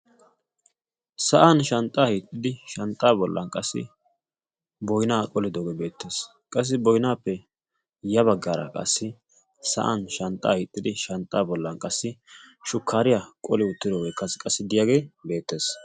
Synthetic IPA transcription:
sɐʔanʃɐnt̪ʼːaːhiːt̪ʼːɪd̪ɪʃɐnt̪ʼːaːbɔlːɐ̰nkʼɐsːɪ̰ | bɔjnaːkʼɔlɪd̪oːɡebe̞ːt̪ːeːs | kʼɐs̬ːɪbɔjnaːpːɛ | jɐβɐɡːaːɾɐ̰kʼɐ̰sːɪ | sɐ̰ʔanʃɐnt̪ʼa̰ːhiːt̪ʼːɪd̪ɪʃɐnt̪ʼːaːbɔlːɐnkʼɐsːɪʃʊkʰːaːɾɪjakʼɔlɪʊt̪ːɪd̪oːɡeːkɐskʼɐsːɪd̪ɪjaːɡe̞ːbe̞ːt̪ːe̞ːs

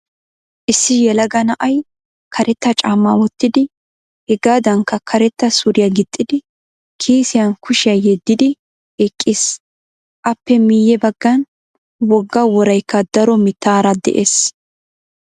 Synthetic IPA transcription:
ʔɪsːɪjɛlɐɡɐnɐʔɐj | kʰɐɾɛt̪ːɐt͡ʃʼaːmːawɔt̪ːɪd̪ɪ | hɛɡaːd̪ɐŋkːɐkʰɐɾɛt̪ːɐsʊɾɪjɐɡɪt̪ʼːɪd̪ɪ | kʰiːsɪjɐnkʰʊʃɪjɐjɛd̪ːɪd̪ɪ | ɛkʼːɪs | ʔɐpːɛmijɛbɐɡːɐn | wɔɡːɐwɔɾɐjkːɐd̪̥ɐɾɔmɪt̪ːaːɾɐd̪ɛ̰ʔeːs

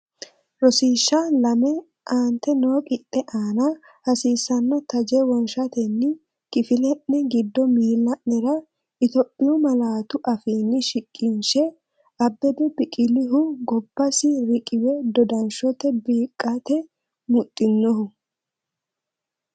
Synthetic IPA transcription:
ɾɔsiːʃːalɐmɛ | ʔaːnt̪ɛnoːkʼɪt̪ʼːɛʔaːnɐ | hɐsiːsːɐnːɔt̪ɐd͡ʒɛwɔnʃɐt̪ɛnːɪ | kɪfɪlɛʔːɛɡɪd̪ːɔmiːlːɐʔɛɾɐ | ɪt̪opʼːɪɔmɐlaːt̪ʊʔɐfiːnːɪʃɪkʼːɪnʃɛ | ʔɐbːɛd̪ɛbɪkʼɪlɪɦʊɡɔbːɐsɪɾɪkʼɪwɛd̪ɔd̪ɐnʃɔt̪ɛbiːkʼːat̪ɛ | mʊt̪ʼːɪnːɔhʊ

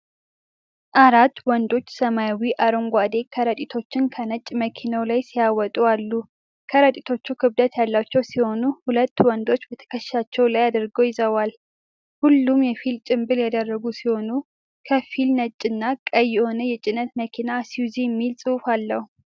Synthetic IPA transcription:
ʔaɾat̪ːwɔnd̪o̞t͡ʃːsəmajawiʔaɾoŋɡʷad̪e̞kʰəɾət̪ʼit̪ʰo̞t͡ʃːɪnkʰənət͡ʃʼməkʰinəwlajsijawɔt̪ʼualːu | kʰəɾət̪ʼit̪ʰo̞t͡ʃːukʰɨβd̪ət̪jalːat͡ʃːɛwsiho̞nuhulət̪ːwɔnd̪o̞t͡ʃːbət̪ʰə̥kʰəʃʃat͡ʃːɛwlajad̪əɾɡojɪzəwal | hulːumjɛfilt͡ʃʼɪmbɨljad̪ərːəɡusiho̞nu | kʰəfilnət͡ʃʼːɪnːakʼəjːɪʔo̞nəjɛt͡ʃʼɪnət̪məkʰinasiwziɛmːilsʼɨwufalːəhu

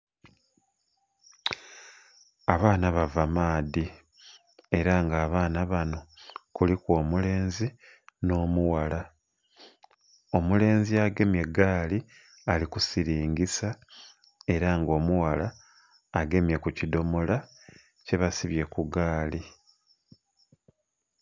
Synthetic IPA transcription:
aβaːnaβavamaːdi | e̞ɾaŋɡaːβaːnaβano̞kulikwo̞ːmule̞ːnzi | no̞ːmuwala | o̞mule̞ːnziaɡe̞mje̞ɡaːli | alikusiɾiːɲɡisa | e̞ɾaŋɡo̞ːmuwalaː | ɡe̞mje̞kucido̞mo̞la | ce̞βasiβje̞kuɡaːli

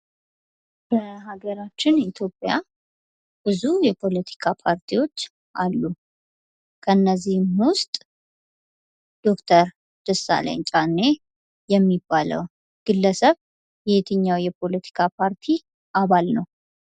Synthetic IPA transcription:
bəɦaɡəɾat͡ʃːɪnit̪ʰjo̞pʼːja | b̥ɨzujɛpʰo̞lət̪ʰi̥kʰapʰaɾt̪ʰiwo̞t͡ʃː | ʔalːu | kʰəɨnːəzːihmwʊst̪ʼ | d̪̥o̞kt̪ʰəɾ | d̪̥ɨsa̰lḛnt͡ʃʼanːe | jɛmːibːalə̰w | ɡ̥ɨlːəsəβ | jɛhet̪ʰɨɲːawjɛpʰo̞lət̪ʰi̥kʰapʰaɾt̪ʰi | ʔaβalnəw

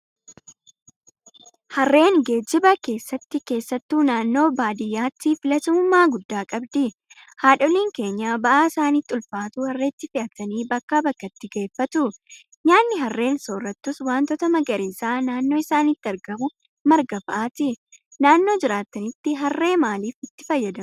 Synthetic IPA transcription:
hɐrːe̞ːŋɡe̞ːd͡ʒːɪbɐke̞ːsːɐt̪ːɪke̞ːsːɐt̪ːuːnaːnːo̞ːbaːd̪ɪjːaːt̪ːɪfɪlɐt̪ʊmʊmːaːɡʊd̪ːaːkʼɐbd̪ɪ | haːᶑɔliːŋke̞ːɲːaːbɐʔaːɪsaːniːt̪ʼːʊlfaːt̪ʊhɐrːɛːt̪ːɪfɪʔɐt̪ɐniːbɐkːaːbɐkːɐt̪ːɪɡe̞ːfːɐt̪ʊ | ɲaːnːɪɦɐrːe̞ːnsoːrːɐt̪ːʊswaːnt̪ɔt̪ɐmɐɡɐɾiːsaːnaːnːo̞ːɪsaːnɪt̪ːɪɐɾɡɐmʊ | mɐɾɡɐfɐʔaːt̪ɪ | naːnːo̞ːd͡ʒɪɾaːt̪ːɐnɪt̪ːɪɦɐrːe̞ːmaːliːfɪt̪ːɪ̥fɐjːɐd̪ɐ

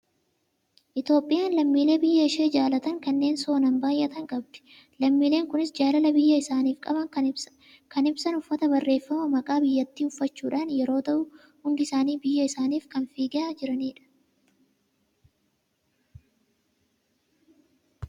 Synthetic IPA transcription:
ʔɪt̪jo̞ːpʼːɪjaːnlɐmːiːle̞ːbɪjːɐɪʃe̞ːd͡ʒaːlɐt̪ɐŋkɐnːe̞ːnso̞ːnɐmbaːjʔɛt̪ɐŋkʼɐbd̪ɛ̥ | lɐmːiːle̞ːŋkʊnɪsd͡ʒaːlɐlɐbɪjːɐɪsaːniːfkʼɐbɐŋ | kɐnɪbsɐnʊfːɐt̪ɐbɐrːe̞ːfːɐmɐmɐkʼaːbɪjːɐt̪ːiːʊfːɐt͡ʃːuːᶑaːnjɛɾo̞ːt̪ɐʔʊ | hʊnd̪ɪɪsaːniːbɪjːɐɪsaːniːfkɐnfiːɡɛaːd͡ʒɪɾɐniːᶑɐ̥

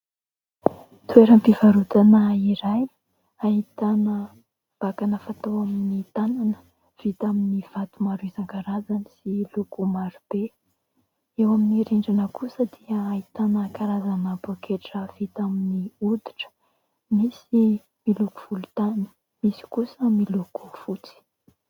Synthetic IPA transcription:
t̪ueɾəmpivaɾut̪anaiɾaj | aɦit̪anə | b̥akanəfat̪awaminit̪ananə̥ | v̥it̪aminiv̥at̪umaɾuizaŋɡaɾazanisilukumaɾub̥e | ewaminiɾiɳɖ͡ʐanəkusəd̪iəːɦit̪anəkaɾazanəbokʰeʈ͡ʂəv̥it̪aminiud̪i̥ʈ͡ʂə̥ | misi | miluku̥v̥ulut̪ani̥ | misi̥kusəmiluku̥fut͡si̥

